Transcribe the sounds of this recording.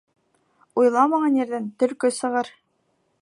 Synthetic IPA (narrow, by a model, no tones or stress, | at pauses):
ujlˠɑmɑɴɑnjɘ̆ɾðænt̪ɵ̆lkɵsɤ̆ʁɤɾ